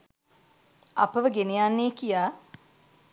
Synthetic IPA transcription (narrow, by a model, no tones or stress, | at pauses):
ɐ̰pəʋəɡenejanːeːkijaː